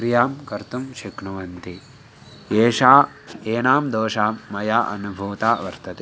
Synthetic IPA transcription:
ɾijaːmkɐɾt̪umʃikɳuʋɐnt̪i | eːʃaː | eːnaːmd̪oːʃaːmːɐjaːʔɐ̰nubʱuːt̪aːʋɐɾt̪ɐt̪e

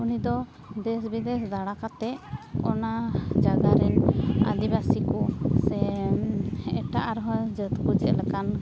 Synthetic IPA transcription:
unid̪ɔ | d̪ɛsbid̪ɛsd̪aɽakat̪ɛɔnad͡ʒaɡaɾɛna̰d̪ibasikusɛ | ɛ̰ʈaʔaɾɔɦɔd͡ʒət̪kud͡ʒɛlɛkan

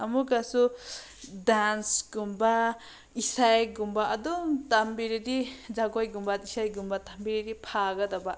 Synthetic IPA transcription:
amuɡasu | d̪ansɡumba | isajɡumbaʔad̪ut̪ambiɾiɾid͡ʒaɡɔjɡumbad̪isajɡumbat̪ambiɾiɾipʰaɡad̪abaʔ

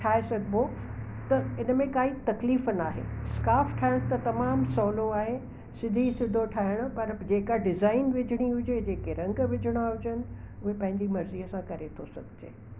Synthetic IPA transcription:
ʈʰaːesɐɡʱbo | t̪ɐɪnəmẽkaːit̪ɐkliːfnaːɦḛskaːfʈʰaːɪɽ̃t̪ɐt̪ɐmaːmsɔːloaːɦe | sɪd̪ʱisɪd̪ʱoʈʰaːɦɪɽ̃ʊ̆pɐɾd͡ʑeːkaɖɪzaːɪnʋɪd͡ʑʱəɽ̃iɦʊd͡ʑed͡ʑeːkeɾɐ̃ŋɡʋɪd͡ʑʱəɽ̃aɦʊd͡ʑənɪ̆ | ʊɦepɐ̃ɦɪ̃ɲd͡ʑimɐɾziɦəsãkɐɾet̪ʰosɐ̰ɡʱɪd͡ʑḛː

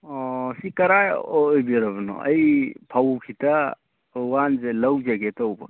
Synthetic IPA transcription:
ɔsikɐɾajjbiɾaβɯnɔ̰ɐ̰jpʰawkʰita | wanzelawzaɡetawba̰

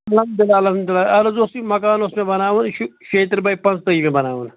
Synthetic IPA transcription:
ɐlɐmd̪ɪlaːlɐmd̪ɪlaɐlozosimɐkaːnosmẽbɐnaːʋɐnʃʃeːt̪ɾbɐjpɐ̃nt͡st̪ɐimẽbɐna̰ːʋɐn

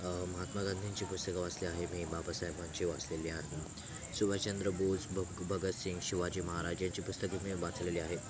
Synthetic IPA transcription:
məɦat̪maɡənd̪ʱiɲt͡ɕiːpust̪əkaʋat͡sliaɦemiːbabasajbaɲt͡ɕiːʋat͡sleliːaɦe | subat͡ɕənd̪ɾəbod͡zbbʱəɡət̪siŋɡɕiʋad͡ʑiːməɦaɾad͡ʑjaɲt͡ɕipust̪əkimiːbat͡sleliːaɦe

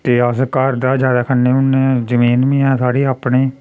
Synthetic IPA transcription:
t̪eːəskaɾd̪aːd͡ʒjaːd̪aːkʰənːeːʊnːeːzəmiːnmĩːɛ̃ːsʰaːɽiːaːpneː

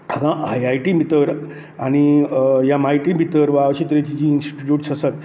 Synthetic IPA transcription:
akãʔajajʈimʱit̪əɾ | aɽ̃ijamaɦiʈibʱit̪əɾʋaʋɕit̪ɾet͡ɕid͡ʑiːnsʈi̥ʈiʈjuːʈsəsat̪

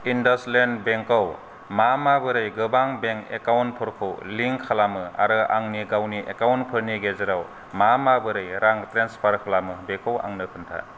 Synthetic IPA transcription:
indaslenbeŋkaw | mamabɯɾɯjɡɯbaŋbeŋkekawnt̚pʰɯɾkʰowliŋkʰalamɯa̰ɾɯʔa̰ŋniɡawniʔekawntpʰɯɾniɡezɯɾaw | mamabɯɾɯjɾaŋtɾenspʰaɾkʰalamɯbekowa̰ŋnɯkʰɯntʰa̰

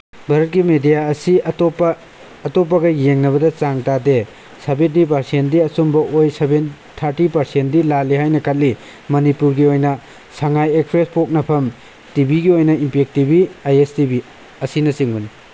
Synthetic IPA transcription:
bʱɐɾɐt̚ɡimedijaɐsitopːɐː | top̬ːɐɡɐjeŋnɐβɐdɐt͡ʃaŋtade | sɐbet̚nipɐɾsendiɐsumbɐʔojseben | tʰːaɾtipɐɾsentdilalihajnɐkʰɐt̚lːi | mɐnipuɾɡiojnɐ | saŋajekpʰɾespʰok̚nɐpʰɐm | tibiɡiojnɐimpek̚tibiajestibi | ɐsinɐsiŋbɐni

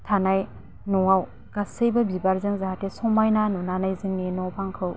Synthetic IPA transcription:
tʰanaj | nɔŋaw | ɡ̥asɯjbɐbibaɾzɯŋzaɦatesɔmajnanunanajzɯŋninɔpʰaŋkʰɯw

